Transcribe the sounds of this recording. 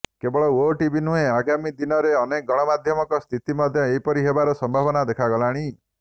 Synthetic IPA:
kebɔɭɔoʈibinueaɡamid̪inɔɾeɔnek̚ɡɔɽ̃ɔmad̪ʱjɔmɔkɔst̪ʰit̪imɔd̪ʱjɔejpɔɾiɦebaɾɔsɔmbʱabɔnad̪ekʰaɡɔlaɽ̃i

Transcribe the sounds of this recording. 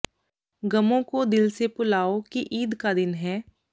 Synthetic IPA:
ɡɐmõkod̪ɪlsepʊlaːokiʔiːd̪kad̪ɪnɦɛː

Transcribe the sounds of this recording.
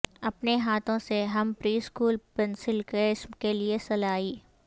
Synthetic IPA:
ɐpneɦaːt̪ʰõseɦɐmpɾiːskuːlpɛnsɪlkeɪsmkeliesɐlaːiː

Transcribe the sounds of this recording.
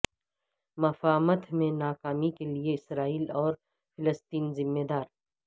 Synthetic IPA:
mɐfaːmət̪mẽnaːkaːmikelieɪsɾaːiːlɔːɾ | fʰɪləst̪iːnzɪmːeːd̪aːɾ

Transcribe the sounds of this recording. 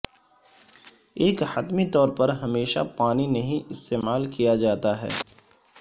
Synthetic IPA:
eːkhət̪mit̪ɔːɾpɐɾɦɐmeːʃa̰paːninɐɦĩʔɪst̪eːmaːlkijad͡ʒaːt̪aɦɛ̰ː

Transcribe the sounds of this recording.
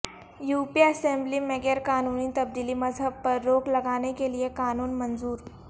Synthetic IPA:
juːpiɐsɛ̃mblimeɡeɾkaːnuːnit̪ɐb̚d̪iːlimɐzɦəb̚pɐɾːoːklɐɡaːnekeliekaːnuːnmɐnzuːɾ

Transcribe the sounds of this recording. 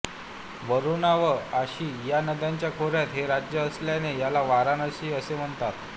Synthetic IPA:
ʋəɾunaʋəaɕiːjanəd̪jaɲt͡ɕjakʰoɾjat̪ɦeɾad͡ʑjəːsljanejalaʋaɾanəɕiːəsem̤əɳt̪at̪

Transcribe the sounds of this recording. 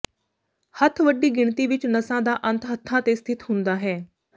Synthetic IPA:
hət̪ʰʋəɖːiːɡɪɳt̪iːʋɪt͡ʃnəsãːd̪aːʔə̃nt̪ɦət̪ʰːãːt̪eːst̪ʰɪt̪ɦʊnd̪aːɦɛː

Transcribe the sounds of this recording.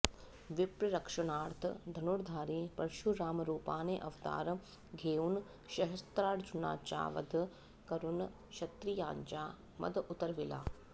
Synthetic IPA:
ʋipɾɐɾɐkʂɐɳaːɾt̪ʰɐ̰d̪ʱɐnuɾd̪ʱaːɾĩːpɐɾʃuɾaːmɐɾuːpaːneːʔɐʋt̪a̰ːɾ | ɡʱeːun | ʃɐɦɐst̪ɾaːɽd͡ʒuna̰ːt͡ʃa̰ːʋɐ̰d̪ʱ | kɐɾun | ʃɐt̪ɾija̰ːɲt͡ʃaː | mɐ̰d̪ʔut̪ɐɾʋila̰ː

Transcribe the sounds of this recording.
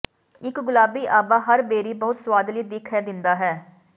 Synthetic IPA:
ɪkɡʊlaːbiːʔaːbaːɦəɾbeːɾiːbəʊt̪swaːd̪liːd̪ɪkʰːɛːd̪ɪnd̪aːɦɛː

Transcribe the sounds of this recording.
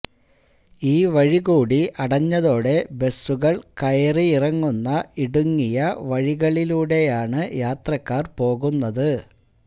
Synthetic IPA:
iːʋɐɻiɣuːɽiʔɐɽɐɲːɐðo̞ːɽe̞be̞sːuɣɐɭkɐjɐriirɐŋːunːɐiɽuŋːijɐʋɐɻiɣɐɭiluːɽe̞jaːɳɨjaːt̪rɐkːaːrpo̞ːɣunːɐðɨ

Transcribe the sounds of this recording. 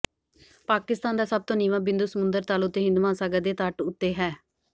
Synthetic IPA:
paːkɪst̪aːnd̪aːsəb̚t̪õːniːʋãːbɪ̃nd̪uːsəmʊ̃nd̪əɾt̪aːlʊʊt̪ːeːɦɪ̃nd̪umãːsaːɡəd̪eːt̪aʈʊt̪ːeːɦɛː

